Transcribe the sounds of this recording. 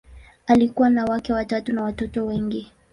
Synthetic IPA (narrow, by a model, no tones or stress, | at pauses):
alikuwanawakɛwatatunawatɔtɔwɛŋɡi